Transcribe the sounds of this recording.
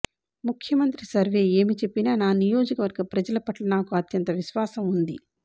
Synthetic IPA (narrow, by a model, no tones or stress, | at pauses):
mukʰjɐmɐnt̪ɾisɐɾʋe̞ːe̞ːmit͡ʃe̞pːinaːnaːnijo̞ːd͡ʒɐkɐʋɐɾɡɐpɾɐd͡ʒɐlɐpɐʈlɐnaːkuɐt̪jɐnt̪ɐʋiʃʋaːsɐmund̪ḭ